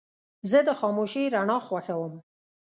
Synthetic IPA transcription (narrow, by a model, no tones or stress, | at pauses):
zəd̪əxɑmoʃiɾaɳɑxwaxawəm